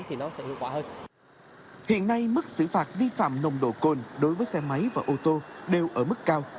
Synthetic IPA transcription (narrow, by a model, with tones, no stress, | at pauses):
t̪ʰi˨˩nɔ˨˦sɛ̰˧˥hḭ˧˨əwkwaː˧˩həː˧n | hḭ˧˨ənːa˧jmɨ˦˥k̚sɨ̰˧˩faː˨˩t̚vi˧fa̰ː˧˨mnə˨˧˩wŋ͡mɗo̰˧˩ko˨˩nɗo˨˦jvəː˨˦jsɛ˧ma˨˦jvaː˨˩ʔo˧t̪o˧ɗe˨˩wʔəː˧˩mɨ˦˥kːaː˧w